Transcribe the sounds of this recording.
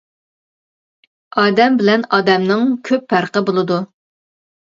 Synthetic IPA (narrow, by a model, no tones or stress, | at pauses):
ɑːd̪ɛmbɪlɛnɑːd̪ɛmnɨŋkʲʰøpːæɾqəbolˠɨd̪u